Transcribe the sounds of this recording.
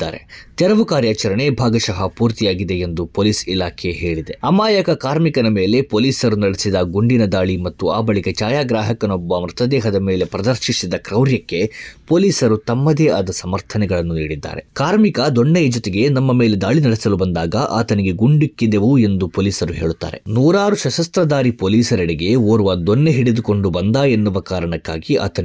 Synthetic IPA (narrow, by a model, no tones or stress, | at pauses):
d̪aːɾḛt̪ɛɾɐʋukaːɾjaːt͡ʃɐɾɐɳe̞bʱaːɡɐʃɐɦɐpuːɾt̪ijaːɡid̪e̞end̪upoːliːsilaːkʰeɦe̞ːɭid̪e̞ɐmaːjɐkɐkaːɾmikɐnɐme̞ːle̞poːliːsɐɾunɐɽesid̪ɐɡuɳɖinɐd̪aːɭimɐt̪ːuaːbɐɭikɐt͡ʃaːjaːɡɾaːɦɐkɐnɔbːɐːmɾɐt̪ɐd̪ɛːɦɐd̪ɐmeːle̞pɾɐd̪ɐɾʃisid̪ɐkɾɐwɾjɐkːe̞poːliːsɐɾut̪ɐmːɐd̪eːʔɐd̪ɐsɐmɐɾt̪ʰɐnɛɡɐɭɐnːuniːɽid̪ːa̰ːɾe̞kaːɾmikɐd̪oɳːejɐd͡ʒot̪eɡe̞nɐmːɐme̞ːle̞d̪aːɭinɐɽɛsɐlubɐnd̪aːɡɐʔa̰ːt̪ɐniɡe̞ɡuɳɖikːid̪eʋue̞nd̪upoːliːsɐɾuɦe̞ːɭut̪ːa̰ːɾe̞̰nuːɾaːɾuʃɐʃɐst̪ɾɐd̪aːɾipoːliːsɐɾiɽiɡe̞oːɾuʋɐd̪onːeɦiɽid̪uko̞ɳɖubɐnd̪aːe̞nːuʋɐkaːɾɐɳɐkːaːɡiʔa̰ːt̪ɐn